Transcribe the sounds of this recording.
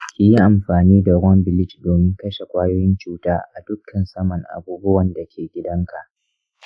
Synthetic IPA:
kʲɪ˨˦ji˦ʔa˨mɸaː˨niː˦da˨ɡʷɔ˦mbɪ˨lɪ˦t͡ʃdoː˨mɪ˦ŋkɐ˦ʃe˨kʷaː˦joː˦jɪ˦nt͡ʃuː˦taː˦ʔa˨dʊ˦kʰːɐ˨nsɐ˦mɐ˨ŋʔa̰˨buː˦bʊ˦wɐ˨nda˨kʲʰeː˨ɡʲɪ˦dɐ˦ŋkʰa˨ʔ

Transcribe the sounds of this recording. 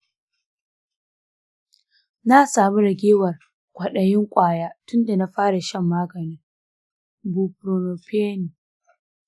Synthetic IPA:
na˦saː˨mi˦ɾɐ˨ɡʲeː˦wɐ˨r | kʷʰʼɐ˨ɗɐ˨jɪ˦ŋkʷʼaː˦˨jaː˦tʊ˦nda˨na˦ɸaː˦ɽa˨ʃɐ˦˨mːaː˦ɡɐ˨niː˦ | bu˨pɾo˨no˨pʰeː˦ni˨

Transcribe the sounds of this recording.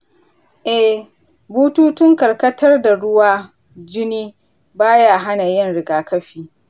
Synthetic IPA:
ʔɛ˨ | buː˦tuː˦tʊ˦ŋkɐ˨rkɐ˦tɐ˦rda˨ɽʊ˦waː˦ | d͡ʒɪ˦niː˦ | baː˦ja˦ɦa˦na˨jɪ˦˨nɽɪ˨ɡaː˨kɐ˦ɸiː˦

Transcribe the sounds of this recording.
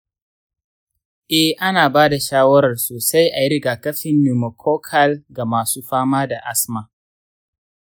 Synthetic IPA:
ʔɛ˦˨hʔa˦naː˨baː˦da˨ʃaː˦wɐ˦ɾɐ˨rsoː˨sa˦jʔa˨jɪ˦ɾɡaː˨kɐ˦ɸɪ˨nju˨mo˨kʰoː˦kʰɐ˦lɡa˨maː˨suː˦ɸaː˦maː˦da˨ʔa˦sma˨

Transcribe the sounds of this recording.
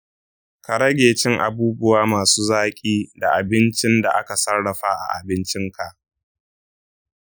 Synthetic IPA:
ka˨ɽɐ˦ɡʲeː˨t͡ʃɪ˦ŋʔa̰˨buː˦bʊ˦waː˦maː˨suː˦zaː˦kʲʼiː˦da˨ʔa˨bɪ˦nt͡ʃɪ˦nda˨ʔa̰˦ka˨sɐ˦rɽɐ˨ɸa˦ʔa̰˨ʔa̰˨bɪ˦nt͡ʃɪ˦ŋkʰa˨ʔ

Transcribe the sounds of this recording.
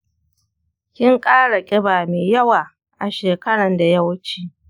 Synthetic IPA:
kʲɪ˦ŋkʼaː˦ɽa˨kʲʼɪ˦baː˨meː˨jɐ˦waː˨ | ʔa˨ʃeː˨kɐ˦ɽɐ˨nda˨jɐ˦wt͡ʃiː˦

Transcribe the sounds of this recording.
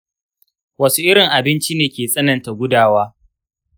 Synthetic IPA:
wɐ˦su˦ʔɪ˦ɾɪ˨ŋʔa˨bɪ˦nt͡ʃi˦neː˨kʲeː˨sʼɐ˦nɐ˨nta˨ɡʷʊ˦daː˦˨waː˦

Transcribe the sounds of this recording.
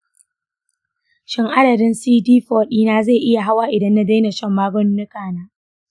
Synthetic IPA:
ʃɪ˦ŋʔa˦dɐ˨dɪ˦nsiː˦diː˦ɸoː˦ɗiː˦naː˦za˦˨ʔɪ˦ja˨ɦa˦waː˦ʔɪ˨dɐ˦nːa˦da˦jna˨ʃɐ˦˨mːaː˦ɡɔ˦nː˦ɪ˦kaː˨naː˦

